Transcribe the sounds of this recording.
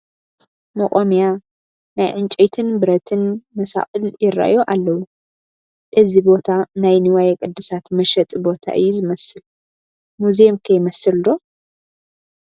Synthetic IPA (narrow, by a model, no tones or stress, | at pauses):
mɐχʼomija | najʕɨnt͡ʃʼejt̪ʰɨnbɨɾɐt̪ʰɨnmɐsa̰χʼɨljɪɾːa̰ʔjoʔalːɐwu | ʔɨzibo̞t̪ʰanajnɨwajɛkʼɨd̪ːɨsat̪mɐʃɐt̪ʼbo̞t̪ʰa̰ʔɨjːuzɨmɐsɨl | muzemkʰɐjmɐsɨld̪o̞